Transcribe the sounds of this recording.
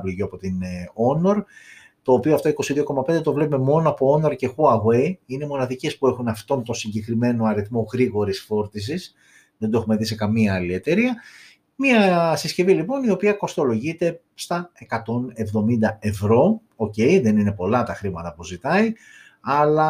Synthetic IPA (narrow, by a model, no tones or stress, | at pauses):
pliʝoɐpo̞t̪ino̞no̞ɾ | t̪o̞ːpioɐft̪o̞iko̞siðio̞ko̞mɐpnd̪et̪o̞vlepume̞mo̞noɐpo̞ono̞ɾce̞xuɐɣwe̞iine̞mo̞nɐðice̞spue̞xunɐft̪o̞nt̪o̞siɲɟe̞kɾime̞no̞ɐɾiθmo̞ɣɾiɣo̞ɾisfo̞ɾt̪is̬is | ðend̪ue̞xume̞ðise̞kɐmiɐɐlie̞t̪e̞ɾiɐ | miɐsiscevilipo̞nio̞piɐko̞st̪o̞lo̞ʝit̪e̞ | st̪ɐe̞kɐt̪o̞ne̞vðo̞mind̪ɐe̞vɾo̞ | oce̞iðe̞nine̞po̞lɐt̪ɐxɾimɐt̪ɐpuzit̪ɐi | ɐlɐ